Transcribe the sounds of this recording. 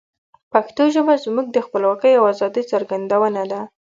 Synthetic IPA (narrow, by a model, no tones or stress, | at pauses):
paxt̪oʒəbazmuɡ̚d̪əxpəlwɑkəjawazɑd̪əjt͡saɾɡand̪awənad̪a